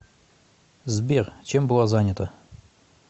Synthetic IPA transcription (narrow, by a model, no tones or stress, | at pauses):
zbʲert͡ɕembɨlˠɑzanʲːət̪ə